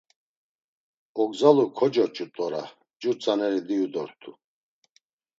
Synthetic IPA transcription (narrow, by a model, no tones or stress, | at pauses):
ɔɡzalukʰɔd͡ʒɔt͡ʃʼut̪ʼɔɾa | d͡ʒuɾt͡sʼanɛɾid̪iud̪ɔɾt̪ʰu